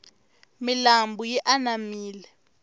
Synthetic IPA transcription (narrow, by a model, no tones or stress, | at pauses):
milambujɛʔanamiːlɛ